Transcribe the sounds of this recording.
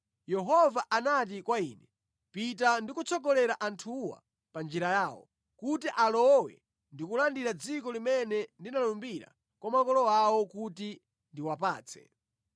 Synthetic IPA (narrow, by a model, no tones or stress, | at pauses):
jɛɦɔvaʔanat̬ikwaiːnɛ | pit̬andikut͡sʰɔɡɔlɛɾaʔantʰuwa̰ | pand͡ʒiɾajaːwɔ̰ | kutiʔalɔwɛ̰ | ndikulandiɾad͡zikɔlimɛnɛndinalumbiɾa̰ | kwamakɔlɔwawɔkuti | ndiwapaːt͡sʰɛ̥̰